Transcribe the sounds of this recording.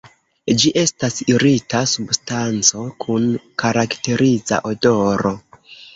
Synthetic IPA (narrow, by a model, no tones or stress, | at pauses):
d͡ʒiʔe̞stasiɾitasubstant͡so̞kʰunkaɾakte̞ɾʔiza̰ʔodo̞ɾo̞